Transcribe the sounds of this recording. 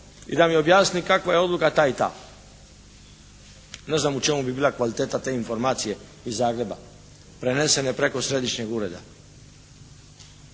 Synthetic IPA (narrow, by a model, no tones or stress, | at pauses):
ḭd̪amio̞bjaːsnikakʋajeo̞d̪lukat̪ait̪a̰ː | ne̞znamut͡ʃe̞mubibiːlˠakʋalit̪eːt̪at̪e̞ːinfo̞ɾmaːt̪sije̞ | izːaːɡɾe̞ba̰ | pɾene̞se̞nepɾe̞ko̞sɾe̞d̪iʃɲeɡuɾe̞d̪a̰